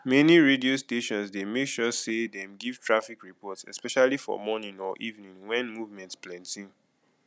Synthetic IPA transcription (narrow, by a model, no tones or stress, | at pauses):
mɛniɹediosteʃɔ̃nsdemekʃɔsedɛ̃mɡiv̥tʰɹafikɹipɔtsɛ̰spɛʃalifɔ̰mɔnĩŋɔʔivnĩŋwɛ̃nmuvmɛ̃ntsplãntĩŋ